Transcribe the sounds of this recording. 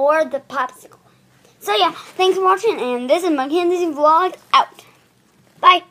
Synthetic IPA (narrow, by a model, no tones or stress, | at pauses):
ɔɹðəpʰɑpsɪkl̩ˠ | soʊjæθæ̃ŋksfə˞wɑt͡ʃɪ̃ŋɨ̃nðɪsɨzmakɛ̃nðɪzlɔɡʔaʊt | b̥aɪ